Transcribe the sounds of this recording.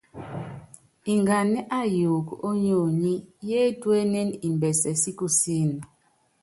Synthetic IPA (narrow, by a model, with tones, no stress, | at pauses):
i˨ŋɡa˨nɛ˦ʔa˦ju˨ko˦ɲo˦˨ɲi˦je˦twe˦nɛ˦ni˨mbɛ˨sɛ˨si˦ku˦si˦˨n˨